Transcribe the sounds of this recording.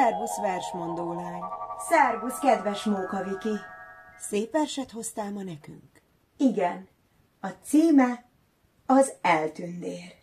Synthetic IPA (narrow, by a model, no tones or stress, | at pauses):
ɛrɡusʋɛrʃmond̪oːlaːɲsɛrɡuskɛd̪ʋɛʃmuːkɒvikiseːpɛrʃɛt̪ho̞st̪aːmɒnɛky̰ŋk | iɡɛn | ɒt̪siːmɛ | ɒzɛlt̪ynd̪eːr